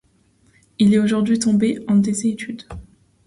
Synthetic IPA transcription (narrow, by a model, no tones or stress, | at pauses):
ilɛoʒuʁd̪ɥit̪ɔ̃beɑ̃d̪ezeet̪yd̪